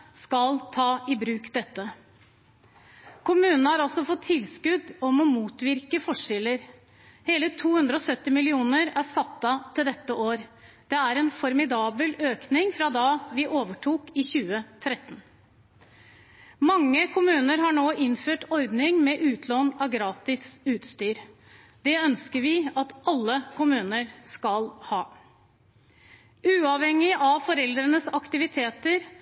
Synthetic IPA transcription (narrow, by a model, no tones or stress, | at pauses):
skɑlt̪ʰɑːɪbɾʉːkd̪ɛt̪ːə | kʰʊmʉːnnəhɑɾɔsɔfɔt̪ʰːɪlskʉd̪ɔmɔmuːt̪ʋɪɾkəfɔʂɛləɾ | heːlət̪ʰuːhʉnd̪ɾəɔsœt̪ːɪmɪlɪuːnəɾæsɑt̪ːɑt̪ʰɪld̪ɛt̪ːəʔoːɾ | d̪̥ɛæɾɛnfɔɾmɪd̪ɑːbəløːknɪŋfɾɑd̪ɑːʋɪʔoːʋəʈʰuːkɪçʉːət̪ʰɾɛt̪ːən | mɑŋːəkʰʊmʉːnəɾɦɑɳoːʔɪnføːʈɔɾd̪nɪŋmɛʔʉːt̪ʰlɔnɑɡɾɑːt̪ɪsʉːt̪st̪yːɾ | d̪ɛœnskəɾʋɪɑt̪ʔɑlːəkʰʊmʉːnəɾskɑlhɑː | ʉːɑʋhɛŋːɪʔɑʋfɔɾɛld̪ɾənəsɑkt̪ɪʋɪt̪ʰeːt̪əɾ